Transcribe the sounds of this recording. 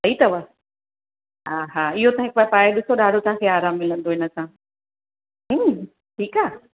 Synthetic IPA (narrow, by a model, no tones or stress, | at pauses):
sɐit̪ɐʋə | ɦaːɦaːɪɦot̪aãɪkbapaːeɗɪsoɗaːɖʱot̪ɐɦãkʰeaːɾaːmːɪlə̃nd̪oɪnəsãː | ɦ̩ | ʈʰiːkaː